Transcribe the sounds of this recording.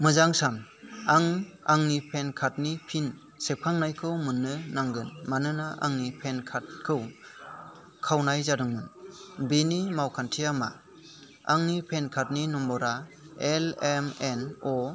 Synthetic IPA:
mɯzaŋsamaŋaŋnipʰenkʰat̚nipʰin | sekʰaŋnajkʰɯwmɯnːɯnaŋɡɯnmanɯnaʔa̰ŋnipʰenkʰat̚kʰɯw | kʰawnajzadɯŋmɯnbenimawkʰantʰijama̰ | aŋnipʰenkʰat̚ninɔmbɔɾaelemenɔ

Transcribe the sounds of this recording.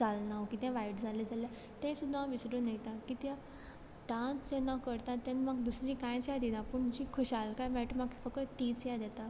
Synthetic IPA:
alnaʋkit̪jãʋaiʈd͡zʱaled͡zalja | t̪ẽsud̪ʱːãʋisɽõnəjt̪ãkit̪jã | ɖãnsd͡ʑenakəɾt̪ãt̪ãnmaɡd̪usɾĩkãjt͡sjãd̪id̪ãpəɳmut͡ɕikʰoɕalkajmɛʈomaɡfəkət̪it͡sjãd̪jat̪a

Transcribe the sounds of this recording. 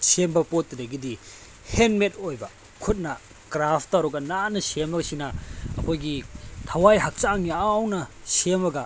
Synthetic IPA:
sembɐpot̚ːidɐɡidi | henmet̚ojbɐ | kʰut̚nɐ | kɾapʰtːawɾɔɡɐnanɐsemɐɡɐsinɐɐ̰kʰojɡitʰɐwajɦak̚t͡ʃaŋiawnɐ | semɐɡɐ

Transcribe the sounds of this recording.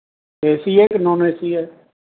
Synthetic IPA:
eːsiːeːknɔ̃ːneːsiːɛː

